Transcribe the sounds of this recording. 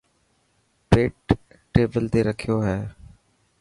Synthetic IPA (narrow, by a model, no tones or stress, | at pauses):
peːʈː | eːbəlt̪eːɾəkʰɪjoːɦɛː